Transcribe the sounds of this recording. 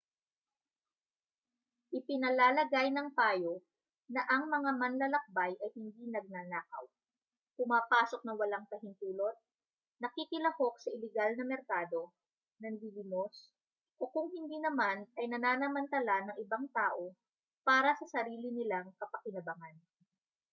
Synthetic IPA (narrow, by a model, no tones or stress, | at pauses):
ʔɪpɪnɐlaːlɐɡajnɐŋpaːjo | nɐʔɐŋmɐŋamɐnlɐlɐk̚bajʔɐjhɪnd̪inɐɡ̚naːnaːkɐ̰w | kʊmaːpaːso̞k̚nɐwɐlaŋt̪ɐhɪnt̪uːlo̞t̪̚ | nɐkikɪlɐho̞k̚sɐʔɪlɛɡalnɐmɛɾkaːd̪o̞ | nɐnɡilɪmos | ʔo̞kʊŋhɪnd̪iːnɐmanɐjnɐnaːnɐmɐnt̪ɐlanɐŋɪbaŋt̪aːʔo̞ | paːɾɐsɐsɐɾiːlɪnɪlaŋkɐpɐkɪnɐbɐŋan